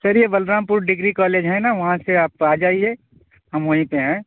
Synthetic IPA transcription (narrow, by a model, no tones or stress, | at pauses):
sɐɾjeʋɐlɾaːmpʊɾɖɪɡɾikaːleːd͡ʒɦɛ̃naʋɐɦãseaːp̚aːd͡ʒaːie | ɦɐmʋɐɦĩpeɦɛ̃ː